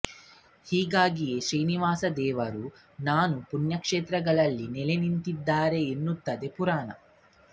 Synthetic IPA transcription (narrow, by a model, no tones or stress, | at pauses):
hiːɡaːɡijeʃɾijniʋaːsɐd̪ɛːʋɐɾu | naːnupunjɐkʂeːt̪ɾɐɡɐɭɐlːinɛlenint̪id̪ːaːɾe̞ːnːut̪ːɐd̪e̞puɾaːnɐ̰